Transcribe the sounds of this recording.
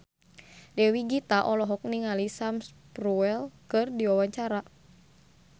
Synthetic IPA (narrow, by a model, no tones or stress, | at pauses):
dɛwiɡit̪aʔɔlɔɦɔk̚niŋalisamspɾuɛlkɨrdiwawaɲt͡ʃaɾa